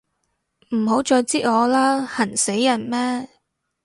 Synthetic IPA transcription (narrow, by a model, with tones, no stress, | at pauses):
m̩˨˩ɦo˨˥wt͡ʃɔː˧jt͡siː˥t̚ŋɔː˨˧laː˥hɐ˨˩nse˨˥jːɐ˨˩nmɛː˥